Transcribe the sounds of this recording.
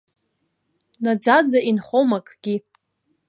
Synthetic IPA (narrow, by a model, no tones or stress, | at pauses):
nad͡zad͡zainχomakʼɡ̥ʲi